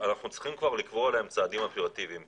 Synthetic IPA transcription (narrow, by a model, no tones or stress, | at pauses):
anaχnut͡si̥χimkvaʁlikvoelaemt͡saːd̪imapeʁat̪iviim